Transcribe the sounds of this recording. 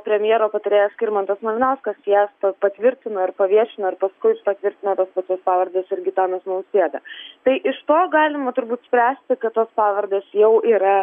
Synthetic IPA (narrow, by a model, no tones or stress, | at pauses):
pʲɾʲɛmʲɪjeːɾoːpɐt̪ɐɾʲeːjɛsʲkʲɪɾmɐnt̪ɐsnɐʋʲɪnɛlˠskɐsjæːspɐpɐt̪ʲʋʲɪɾʲt̪ʲɪnoːɪɾpɐʋʲiɛʃʲɪnoːɪɾpɐskʊɪʃpɐt̪ʲʋʲɪɾʲt̪ʲɪnot̪oːspɑːt͡ʃʲoːspɑːʋɐrʲd̪ʲeːsɪɾɡʲɪt̪ɑːnɐsnɐʊsʲeːd̪ɐt̪ɐɪʔɪʃt̪oːɡɑːlʲɪmɐt̪ʊɾbuːt̪sʲpʲɾʲæːsʲt̪ʲɪkɐt̪toːspɑːʋɐrʲd̪ʲeːsjɛʊiːɾɐ